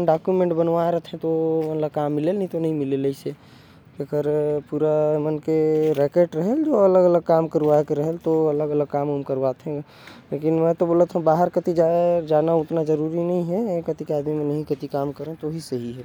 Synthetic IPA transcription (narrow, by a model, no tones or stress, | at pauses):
nɖakjumẽɳʈbənʋaeɾəɦt̪ʰẽt̪omət̪ləbkamːilelnt̪onəɦĩmileləise | ekəɾpuɾamənkeɾɛkeʈɾəɦəld͡ʒoələɡələɡ̚kamkəɾʋakeɾəɦəlt̪oələɡələɡ̚kaməmkəɾwat̪ɦẽ | lekinmɛ̃t̪oboːlət̪ɦə̃baɦəɾkət̪id͡ʒad͡ʒanaut̪nad͡ʒəɾuɾinəɦĩɦɛkət̪ikeaːd̪mimẽnəɦĩkət̪ikamkəɾẽt̪ooɦisəɦiɦɛ